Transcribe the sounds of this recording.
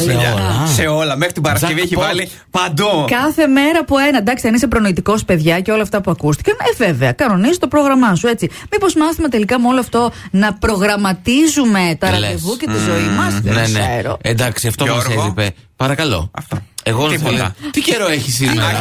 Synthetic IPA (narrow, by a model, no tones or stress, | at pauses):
ɐɐse̞o̞lɐmexɾit̪ibɐɾɐsevieçivɐli | pɐnd̪ukɐθe̞me̞ɾɐpue̞nɐd̪ɐkst̪eɐnisepɾo̞noit̪iko̞spe̞ðʝɐceo̞lɐːft̪ɐpuɐkust̪ikɐneve̞ve̞ɐkɐno̞nizot̪o̞pɾo̞ɣɾɐmɐsue̞t͡simipo̞zmɐθimet̪e̞likɐmeo̞loɐft̪o̞nɐpɾo̞ɣɾɐmɐt̪izume̞t̪ɐɾɐevucet̪izo̞imɐsneneeɾo̰end̪ɐksiɐft̪oɐɾipe | pɐɾɐkɐlo̞̰ɐ̰ft̪oeɣoioɐ̰t̪ice̞ɾo̞eçisimɐ